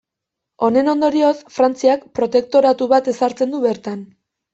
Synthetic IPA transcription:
o̞ne̞no̞nd̪o̞ɾio̞sfɾant͡siakpɾo̞t̪e̞k̚t̪o̞ɾat̪uβat̪e̞saɾt͡se̞nd̪uβe̞ɾt̪an

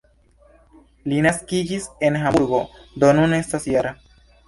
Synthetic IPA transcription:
linaskid͡ʒise̞nɦamuɾɡod̪onunest̪asjaɾa

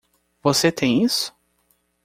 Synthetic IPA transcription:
voset̪ʰẽj̃isʊ̥

